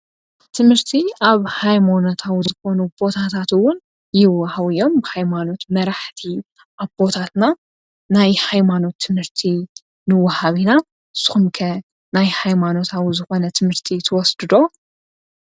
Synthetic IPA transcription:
t̪ʰɨmhɨɾt̪ʰiaβhajmono̞t̪ʰawzɨxo̞nub̥o̞t̪ʰat̪ʰat̪ɨwʊn | jɪwːɐhawɨjo̞mbɨhajmano̞t̪mɐɾaħt̪ʰi | ʔaβbo̞t̪ʰat̪na | najhajmano̞t̪ʰːɨmhɨɾt̪ʰi | nɨwːɐhaβina | ɨsːɨ̥xumkʰɐ | najhajmano̞t̪ʰawzɨxo̞nɐt̪ʰɨmhɨɾt̪ʰit̪ʰɐwɔsd̪ɨd̪o̞

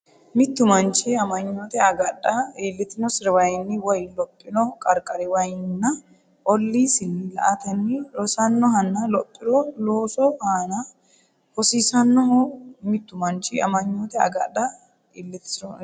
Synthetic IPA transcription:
mɪt̪ːʊmɐnt͡ʃɪɐmɐɲːoːt̪ɛɐɡɐᶑɐeːlːɪt̪ːɪnɔsɪɾɛwɐjnːɪwɔjlɔpʼːɪnɔkʼɐɾkʼːɐɾɛwɐjɪnːɐ | ʔɔlːisɪnːɪlɐ̰ʔɐt̪ɐnːɪɾɔsɐnːɔɦɐnːɐlɔpʼːɪɾɔloːsɔhaːnɐ | hɔsiːsɐnːɔhmɪt̪ːʊmɐnt͡ʃɪɐ̰mɐɲːot̪ɛɐ̰ɡɐᶑɐ | elːɛt̪ːɪ̥sɔ

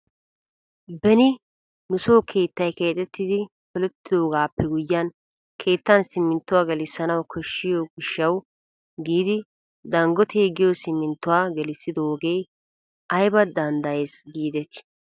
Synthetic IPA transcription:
bɛnɪ | nʊsoːkʰe̞ːt̪ːɐjke̞ːt̪ʼɛt̪ːɪd̪ɪ | fɔlɛt̪ːɪd̪o̞ːɡaːpːɛɡʊjːɐn | kʰe̞ːt̪ːɐnsɪmːɪnt̪ːʊwaːɡɛlɪsːɐnɐwkʰɔʃːɪjoɡɪʃːɐw | ɡiːd̪ɪ | d̪ɐŋɡɔt̪ʰeːɡɪjosɪmːɪnt̪ːʊwaːɡɛlɪsːɪd̪ooːɡe̞ːj | ɐjbɐd̪ɐnd̪ɐjeːsɡiːd̪ɛt̪ː

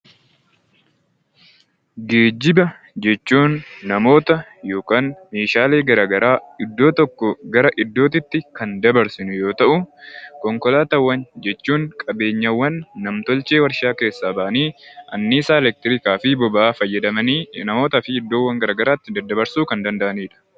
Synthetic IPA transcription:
ɡe̞ːd͡ʒːɪbɐ | d͡ʒɛt͡ʃːuːnːɐmo̞ːt̪ɐjo̞ːkaːnmeːʃaːleːɡɐɾaːɡɐɾaːɪd̪ːo̞ːt̪ɔkːɔɡɐɾɐʔɪd̪ːo̞ːt̪̬ɪt̪ːɪkɐnd̪ɐbɐɾsɪnʊjo̞ːt̪ɐʔʊkɔŋkɔlaːt̪ɐwːɐnd͡ʒɛt͡ʃːuːŋkʼɐbe̞ːɲːɐwːɐnːɐmt̪ɔlt͡ʃeːwɐɾʃaːke̞ːsːaːbɐʔɐniːʔɐnːiːsaːɛlɛk̚t̪ɪɾɪkaːfɪbɔbɐaːfɐjːɐd̪ɐmɐninɐmo̞ːt̪ɐfɪɪd̪ːo̞ːwːɐŋɡɐɾɐɡɐɾaːt̪ːɪd̪ɐd̪ːɐbɐɾsuːkɐnd̪ɐnd̪ɐʔɐniːᶑɐ̥

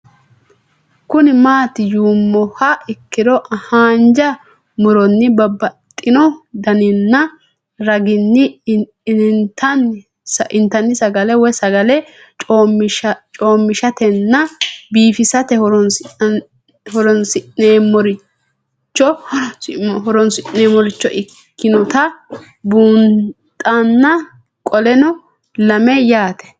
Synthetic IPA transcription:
kʊnɪmaːt̪ɪjuːmːɔhɐɪkːɪd̪ɔʔɐhaːnd͡ʒɐ | mʊɾɔnːɪbɐbːɐt̪ʼːɪnɔd̪ɐnɪnːɐ | ɾɐɡɪnːɪ | nt̪ɐn | sʔɪnt̪ɐnːɪsɐɡɐlɛwɔjsɐɡɐlɛ | t͡ʃʼo̞ːmːɪʃɐt̪ɛnːɐbiːfɪsɐt̪ɛhɔɾɔn | hɔɾɔnsɪneːmɔɾɪ | t͡ʃːɔ | ɦɔɾɔnsɪʔneːmɔɾɪt͡ʃːɔʔɪkkːɪnɔt̪ɐ | buːnt̪ʼɐnːɐ | kʼɔlɛnɔ | lɐmɛjaːt̪ɛ̥

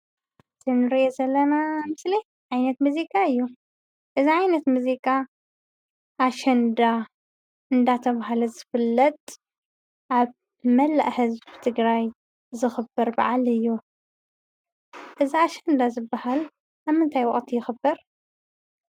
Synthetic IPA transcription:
zɨnɨɾiʔezɐlːɐnamɨsli | ʕajnɐt̪muzikʼaɨjːu | ʔɨziʕajnɐt̪muzikʼa | ʔaʃɐnd̪a | ɨnd̪at̪ʰɐβaɦalɐzɨfɨlːɐt̪ʼ | ʔaβ | mɐlːa̰ʔhɨzbɨt̪ʰɨɡɾaj | zɨxɨbɐɾba̰ʕalɨjːu | ʔɨziaʃɐnd̪azɨbahal | ʔamːɨnt̪ʰajwɔχʼt̪ʰijɪxɨbːɐɾ

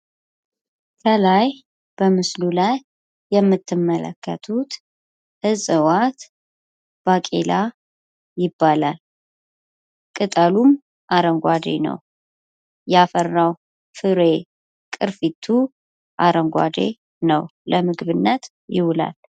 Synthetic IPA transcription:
k̪ʰəlaj | b̥əmɨslulajː | ɛmːɨt̪ʰːɨmːələ̰kːət̪ʰut̪ | ʔɨsʼɨwat̪ | b̥akʼela | jɪbːalal | kʼɨt̪ʼalum | ʔaɾəŋɡʷad̪ḛnə̰w | jɛafərːaw | fɨɾe̞ | kʼɨɾfit̪ʰːu | ʔaɾəŋɡʷa̰d̪ḛ | nəwləmɨɡβɨnːət̪ | jɪwʊla̰l

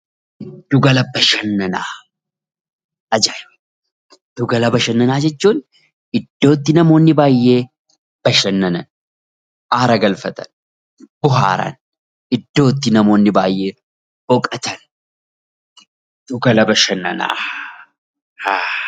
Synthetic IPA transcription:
d̪ːʊɡɐlɐbːɐʃɐnːɐnaː | ɐd͡ʒɐ | d̪̥ʊɡɐlɐbɐʃɐnːɐnaːd͡ʒɛt͡ʃːuːn | ʔɪd̪ːo̞ːt̪ːɪnɐmo̞ːnːɪbaːjːe̞ː | b̥ɐʃɐnːɐnɐn | ʔaːɾɐɡɐlfɐt̪ɐn | bʊɦa̰ːɾɐ̰n | ʔɪd̪ːo̞ːt̪ːɪnɐmo̞ːnːɪbaːjːe̞ː | b̥ɔkʼɐt̪ɐn | ʊɡɐlɐbɐʃɐnːɐ̰na̰ː | haː

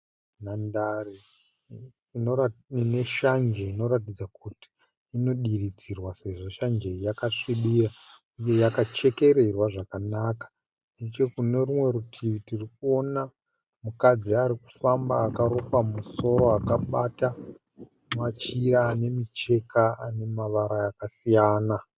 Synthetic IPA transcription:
nandare | none̞ʃand͡ʒeino̞ɾat̬id͡zakuti̥ | ino̞ɗirid͡zirwase̞ʐo̞ʃand͡ʒejakaʂiɓira | uje̞jakat͡ʃe̞ke̞ɾe̞rwaʐakanakḁ | net͡ʃekune̞rumwe̞ɾutʰiʋitirikuo̞na | mukad͡ziaɾiku̥famba̰ːkaɾo̞kwamuso̞ɾo̞akaɓata | mat͡ʃiɾaːne̞mit͡ʃe̞kaane̞maʋaɾaakasijaːna

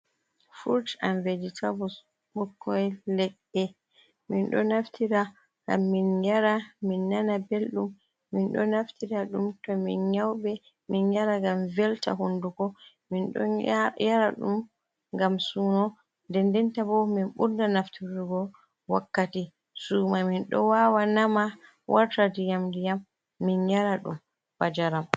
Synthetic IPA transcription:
fuɾt͡ʃa̰nveditabɔ | ɓɔkʰːɔjlɛɡ | ɛ | minɗɔ̰naftʰiɾa | ɡa̰mːinjaɾaminːanabelɗumː | inɗɔ̰naftiɾaɗumtɔminɲawɓɛ | minjaɾaɡamvɛlta̰ɦundukɔ | minɗɔ̰jaɾaɗṵm | ŋɡamsunɔ | ndɛndɛntabɔminɓuɾdanaftiɾuɡɔ | wakːati | sumaminɗɔ̰wawanama | wʔaɾtadijamdijamː | injaɾaɗṵm | bad͡ʒaɾam

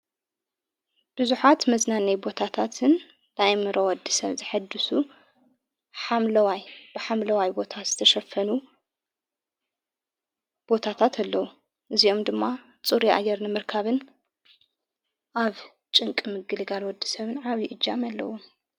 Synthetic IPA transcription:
b̥ɨzuħat̪mɐznanɐjbo̞t̪ʰat̪ʰat̪ʰɨn | najmɨɾowɔd̪ːisɐ̰βzɨħɨd̪ːɨsu | ħamlɐwajb̥ɨħamlɐwajbo̞t̪ʰaz̥ɨt̪ʰɐʃɐfːɐnu | b̥o̞t̪ʰat̪ʰat̪ʰalːɐwu | ʔɨzio̞md̪ɨmːa | t͡sʼuɾiʔa̰ɡɐɾnɨmɨɾkʰaβɨn | ʔaβ | t͡ʃʼɨŋkʼɨmɨɡɨlɡalwɔd̪ːi̥sɐβɨnʕaβiʔɨd͡ʒːamɐlːɐ̰wom

